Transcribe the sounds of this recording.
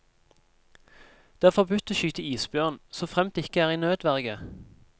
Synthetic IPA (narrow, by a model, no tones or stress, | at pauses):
d̪̥æʁfɔʁbʉt̪oːʃyːt̪əiːsbjœːʁnsoːfʁɛmt̪ɪkəæːʁiːnøːd̪ʋæʁɡə